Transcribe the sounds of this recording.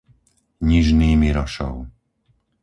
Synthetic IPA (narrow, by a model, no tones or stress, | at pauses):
ɲiʒniːmiɾɔʃɔ̰ʊ